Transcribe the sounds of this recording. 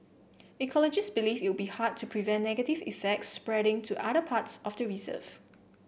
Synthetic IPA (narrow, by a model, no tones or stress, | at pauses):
ɛkʰɔlɔd͡ʒɪstbilifɪt̚wbihad̚tʰupʰɹivɛ̃nnɛɡətivḭfɛk̚tsːpɹɛɾɪ̃ŋtʰuʔaɾəpʰatsɔfdəɹizə̰f